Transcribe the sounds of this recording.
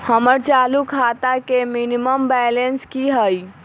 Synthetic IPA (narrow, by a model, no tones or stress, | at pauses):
həməɾt͡ʃalukʰat̪akeminiməmbɛlenskiɦəj